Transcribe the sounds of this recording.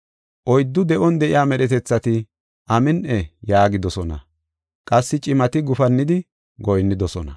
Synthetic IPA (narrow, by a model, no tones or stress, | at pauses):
ʔɔjd̪ːʊd̪ɛʔɔnd̪ɛʔɪjaːmɛɗɛt̪ɛt͡sːɐt̪ɪ | ʔɐmɪnʔɛjaːɡɪd̪ɔsɔnɐ̰ | kʼɐsːɪt͡ʃʼɪmɐt̪ɪɡʊfɐnːɪd̪ɪ | ɡɔjnːɪd̪ɔsɔnɐ̰